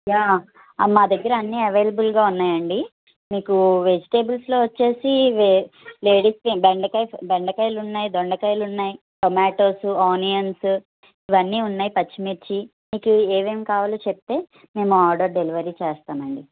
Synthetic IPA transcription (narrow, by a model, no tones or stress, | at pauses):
jaː | maːd̪ɐɡːɐɾɐɐnːiːɐʋe̞ːlɐbulɡaːunːaːjɐɳɖi | miːkuʋe̞d͡ʒiʈe̞ːbulslo̞ːʋɐt͡ʃːe̞ːsiʋele̞ːɽiːspebeɳɖɐkɐjbeɳɖɐkɐjlunːaːjid̪oɳɖɐkɐjlunːaːji | ʈomaːʈo̞ːsuaːnijɐns | iʋɐnːiːunːaːjipɐt͡ʃːimiɾt͡ʃi | miːkueːʋeːmkaːʋaːlot͡ʃep̚t̪e̞ː | me̞ːmuaːɾɖɐːɾɖeliʋɐɾiːt͡ʃɛːst̪aːmɐɳɖi